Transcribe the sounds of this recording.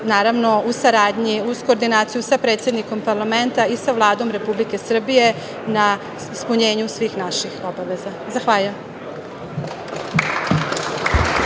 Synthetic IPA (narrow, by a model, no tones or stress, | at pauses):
naːɾaʋno̞usaɾaːd̪ɲiusko̞ːɾd̪inaːt̪sijusapɾet̪sʲjed̪niko̞mpaɾlˠame̞nt̪aisaʋlˠaːd̪o̞mɾe̞publike̞sr̩bije̞ | na | ispuɲe̞ːɲusʋiːxnaʃixo̞baʋe̞za | zaxʋaːʎujem